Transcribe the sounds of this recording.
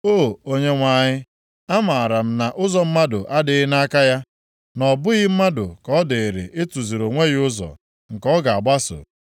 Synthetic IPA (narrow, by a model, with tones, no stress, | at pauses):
o˦˨o˦ɲe˦ŋʷa˨ɲɪ˦ | a˦ma˨a˨ɾa˨m̩˦na˨ʔʊ˦zɔ˨m̩˦ma˦dʊ̰˨ʔa˦dɪ˨˦ɪ˦na˦ka˦ja˦ | nɔ˨bʊ˦ɣɪ˦m̩˦ma˦dʊ̰˨kɔ˦dɪ˨ɾḛ˨ʔɪ˦tu˨zi˨ɾo˨ŋʷe˦ɣɪ˦ʊ˦zɔ̰˨ | ŋ̩˨kɔ˦ɡa˨a˨ɡ͡ba˦so̰˨